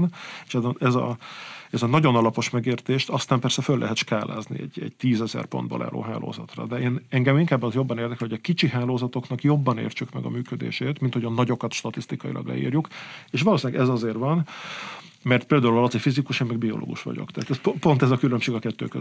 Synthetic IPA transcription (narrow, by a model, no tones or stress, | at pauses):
nʃɛzɛzɒ̰ɛzɒnɒɟo̞nɒlɒpo̞ʃmɛɡeːrt̪eːʃt̪ɒst̪aːmpɛrsɛfølːʔɛ̰ɦɛt̪ʃkaːla̰ːznḭɛ̰ɟɛ̰ɟt̪iːzɛzɛ̰rpo̞nd̪̚bɒ̰lʔa̰ːlo̰ːɦa̰ːlo̰ːzɒ̰t̪rɒ̰d̪ɛeːnɛŋɡɛmiŋkaːbːɒzjo̞bːɒneːrd̪ɛklɛlhoɟɒkit͡ʃiɦaːloːzɒt̪o̞knɒkjo̞bːɒnḛːrt͡ʃykmɛɡɒ̰myːkød̪ḛːʃeːt̪mint̪ho̞ɟɒnɒɟo̞kɒt̪ʃt̪ɒt̪ist̪ikɒjḭlʔɒ̰ɡlɛ̰ḭːrjukeːʃʋɒloːsinːɛɡɛzɒzeːrvɒn | mɛrt̪̚peːld̪aːulvɒlosefizikuʃeːmːɛɡ̚biolo̰ːɡṵʃʋɒ̰ɟo̰kt̪ɛaːt̪ɛsppo̞nt̪ɛzɒkylømʃeːɡɒkɛt̪ːø̰ːkø